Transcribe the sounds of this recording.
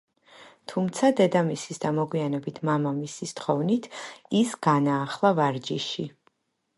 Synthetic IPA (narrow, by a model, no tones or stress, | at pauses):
t̪ʰumt̪sʰad̪ɛd̪amisisd̪amɔɡwianɛbit̪ʰmamamisist̪χɔvnit̪ʰisɡ̥anaːχlˠavaɾd͡ʒiʃi